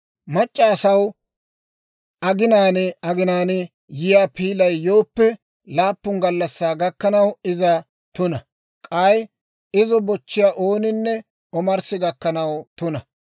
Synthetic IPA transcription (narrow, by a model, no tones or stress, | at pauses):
mɐt͡ʃʼːaːsɐw | ʔɐɡɪnaːnɛɐɡɪnaːnɛ | jɪjaːpiːlɐjːo̞ːpːɛ | laːpːʊnɡɐlːɐsːaːɡɐkːɐnɐwɪzɐ | t̪ʊnɐ | kʼaːj | ɪzɔbɔt͡ʃːɪjaʔoːnɪnːɛ | ɔmɐɾsɪɡɐkːɐnɐwt̪ʊnɐ